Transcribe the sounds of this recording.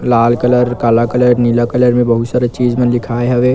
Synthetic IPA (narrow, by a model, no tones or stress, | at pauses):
laːlkələɾkaːlakələɾnilakələɾmẽbəɦut̪saɾət͡ʃiːd͡ʒmənlɪkʰaːeɦɐʋe